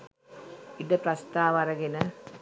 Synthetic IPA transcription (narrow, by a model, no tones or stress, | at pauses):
id̪eprɐst̪aːʋɐɾɐɡinɐ